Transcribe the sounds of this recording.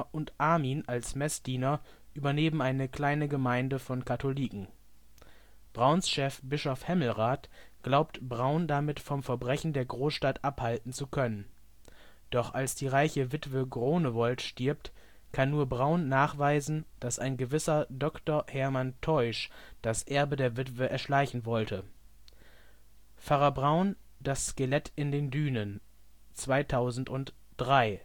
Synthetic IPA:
ʔʊntʔaɐmiːnalsmɛsd̥iːnɐ | ʔyːbɐneːmm̩aɪnəkl̥aɪnəɡəmaɪndəfɔnkʰatoliːkŋ̩ | b̥ʁaʊnsʃɛfb̥ɪʃɔfhɛml̩ʁaːtɡ̥laʊptbʁaʊndamɪtfɔmfɛɐbʁɛçn̩deːɐɡʁoːsʃtatʔaphaltn̩t͡sukʰœnən | d̥ɔχʔalsd̥iːʁaɪçəvɪtv̥əɡʁoːnəvɔltʃtɪɐp̚t | kʰanːuːɐbʁaʊnːaːχv̥aɪzn̩d̥asaɪnɡəvɪsɐdɔktɐhɛɐmantʰɔʏʃd̥asʔɛɐbədeːɐvɪtv̥əʔɛɐʃlaɪçn̩vɔltʰə | faʁɐbʁaʊn | dasːkelɛtɪndeːndyːnən | t͡sv̥aɪtʰaʊzn̩tʊnt | d̥ʁaɪ

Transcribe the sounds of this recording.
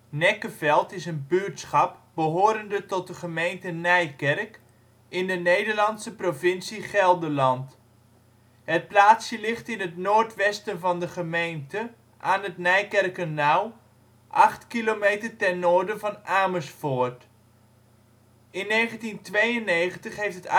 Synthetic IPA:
nɛkəfɛlˠtɪsənbytsχɑp̚bəɦoːɾəndətɔt̚dəχəmejntənɛjkɛrk | ɪndənejdəɹlɑnsəprovɪnsiχɛlˠdəlɑnt | hət̚plaːtsjəlɪχtɪnətnoːrtʋɛstənvɑndəχəmejntə | ʔaːnətnɛjkɛrkənːaw | ʔɑχtkilomeːtərtɛrnoːɹdəvɑnʔaːməsfoːrt | ɪnːejχəntintʋejənːejχəntəχɦeftət

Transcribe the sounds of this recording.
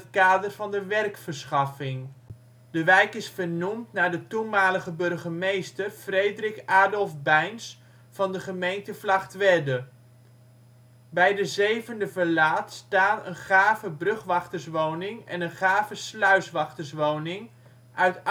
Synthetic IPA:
tkaːdərvɑndəʋɛrkfəɹsχɑfɪŋ | dəʋɛjkɪsfəɹnumtnaːɹdətunmaːləχəbɵrχəmejstərfrejdrɪkaːɹdɔlˠvbɛjns | fɑndəχəmejntəflɑχtʋɛdə | bɛjdəzejvəndəvəlaːtstaːtə̰nχaːvəbrɵχʋɑχtəsʋownɪŋɛ̰nənχaːvəslœɥsʋɑχtəsʋownɪŋ | ʔœɥt

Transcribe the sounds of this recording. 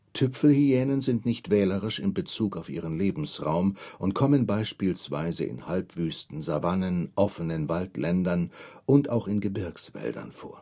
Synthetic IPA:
tʰʏpfl̩hiɛːnənzɪntnɪçtv̥ɛːləʁɪʃɪmbət͡suːkaʊfʔiːʁ̞ənleːbm̩sʁaʊmʔʊntkʰɔmənbaɪʃpiːlsv̥a̰ɪzə̰ʔɪ̰nhalpv̥yːstn̩zavanənʔɔfənənvaltlɛndɐnʔʊntaʊxɪnɡəbɪɐksv̥ɛ̰ldɐ̰nfo̰ːɐ

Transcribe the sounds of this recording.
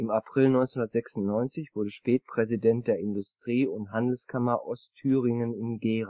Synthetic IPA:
ʔɪmapʁ̥ɪlnɔʏnsenhʊndɐtz̥ɛksʊn̩tnɔʏnt͡sɪçv̥ʊɐdəʃpɛːt̚pʁ̥ɛzidɛnt̚d̥eːɐɪndʊstʁ̥iːʊntɦandl̩skʰamɐʔɔstʰyːʁɪŋənɪnɡeːʁa

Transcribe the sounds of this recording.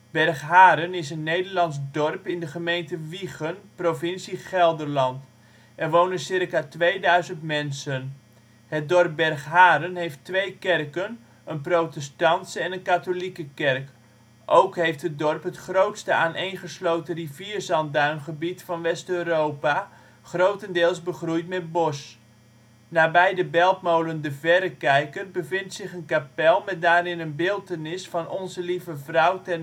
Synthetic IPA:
b̥ɛrχɦaːɾənɪsənːejdəɹlɑnzdɔrpɪndəχəmejntəʋiχənprofɪnsiχɛlˠdəɹlɑnt | ʔɛrʋownənsɪrkaːtʋejdœɥzəntmɛnsən | hət̚dɔrp̚bɛrχɦaːɾənɦejftʋejkɛrkən | ənprowtɛstɑntsəɛnənkatolikəkɛrk | ʔowkɦejftɦət̚dɔrpɦətχrowtstəaːnʔejnχəslowtəriviːrzɑnt̚danχəbitfɑnʋɛstøːrowpa | χrowtəndɪːlˠsbəχrujtmɛt̚bɔs | naːbɛjdəbɛlˠp̚mowləndəvɛɾəkɛjkərbəvɪntsɪχənkapɛlˠmɛt̚daːɾɪnənbɪːlˠtənɪsfɑnɔnzəlivəvrʌwtɛn

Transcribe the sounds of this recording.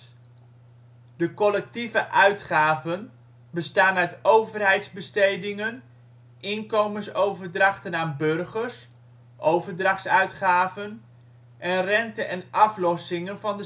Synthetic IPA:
dəkɔlɛk̚tivəʔœɥtχaːvən | bəstaːnœɥtowvərɦɛjtzbəstejdɪŋən | ʔɪnkowmənsowvəɹdrɑχtənaːnbɵrχəɹs | ʔowvəɹdrɑχsœɥtχaːvən | ʔɛnrɛntənɛnʔɑflɔsɪŋənvɑndə

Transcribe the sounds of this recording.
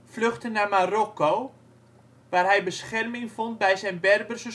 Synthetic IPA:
fløχtənamarokoː | ʋaːrɦɛjbəsχɛrmɪŋfɔnt̚bɛjsɛjnbɛrbərsə

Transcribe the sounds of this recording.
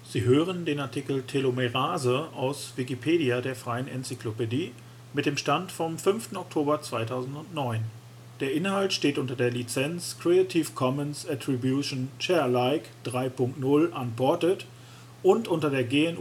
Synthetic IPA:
z̥iːɦøːʁəndeːnaɐtʰikl̩tʰelomeʁaːzəaʊsv̥ikipʰeːdiadeːɐfʁ̥aɪənɛ̰nt͡siklopediː | mɪt̚d̥eːmʃtantfɔmfʏnftn̩ɔk̚tʰoːbɐt͡sv̥aɪtʰaʊzn̩tʊntnɔʏn | d̥eːɐʔɪnhaltʃteːtʔʊntɐdeːɐlit͡sɛnt͡skʁ̥eatʰiːfkʰɔmənsatʁ̥ibjuʃnt͡ʃɛɐlaɪkd̥ʁaɪpʰʊŋk̚tnʊlʔanbɔɐtət | ʔʊntʔʊntɐdeːɐɡeːɛn

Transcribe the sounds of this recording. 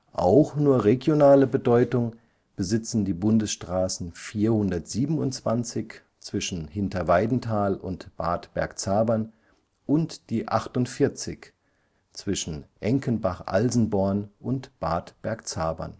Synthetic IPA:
ʔa̰ʊxnuːɐʁeɡjonaːləbədɔʏtʊŋ | b̥əzɪt͡sn̩diːbʊndəsʃtʁ̥aːsn̩fiːɐhʊndɐtz̥iːbn̩ʊntt͡sv̥ant͡sɪç | t͡sv̥ɪʃn̩hɪntɐvaɪdn̩tʰaːlʊ̰ntb̥aːtb̥ɛ̰ɐkt͡saːbɐn | ʔʊntd̥iːʔaχtʊntfɪɐt͡sɪ̰ç | t͡sv̥ɪʃn̩ʔɛŋkənbaχʔa̰lzn̩bɔɐnʔʊntb̥aːtb̥ɛɐkt͡saːbɐ̰n

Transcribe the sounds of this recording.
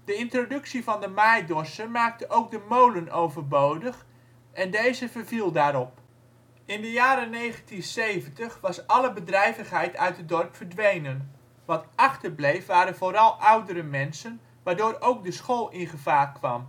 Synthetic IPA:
d̥əɪntrodɵksivɑndəmajdɔrsəmaːk̚təʔowk̚dəmowlənowvərbowdəχ | ʔɛndejzəvərvilˠdaːɾɔp | ɪndəjaːɾənejχəntinsejvəntəχʋɑsɑləbədrɛjvəχɦɛjtʰœ̰ɥt̚dədɔrpfərdʋejnən | ʋɑtɑχtərblejfʋaːɾənvoːɾɑlˠʔɑwdəɾəmɛnsən | ʋaːɹdʊːɾowk̚dəsχoːlˠɪnχəvaːrkʋɑ̰m

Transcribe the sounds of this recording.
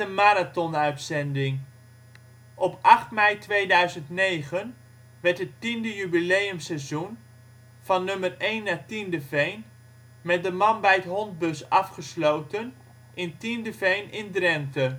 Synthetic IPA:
əmaːɾatɔnœɥtsɛndɪŋ | ʔɔpɑχtmɛjtʋejdœɥzəntnejχən | ʋɛɹtɦətindəjybilejəmsɛzun | fɑnːɵmərejnːaːtindəfejn | mɛt̚dəmɑnbɛjətɦɔnt̚bɵsɑfχəslowtən | ʔɪntindəvejnɪndrɛmtə

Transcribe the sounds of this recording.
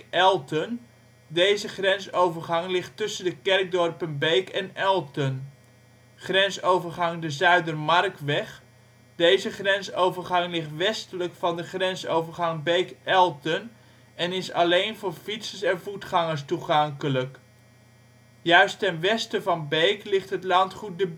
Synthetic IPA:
ɛlˠtən | dejzəχrɛnsowvərχɑŋlɪχtɵsəndəkɛrk̚dɔrpənbejkɛnɛlˠtən | χrɛnsowvərχɑŋdəzœɥdərmɑrkʋɛχ | d̥ejzəχrɛnsowvərχɑŋlɪχtʋɛstələkfɑndəχrɛnsowvərχɑŋbejkʔɛlˠtən | ɛnɪsɑlejnvʊːɹfitsəsɛnvutχɑŋəɹstuχɑŋkələk | jœɥstɛnʋɛstəvɑnbejklɪχtɦətlɑntχut̚dəb

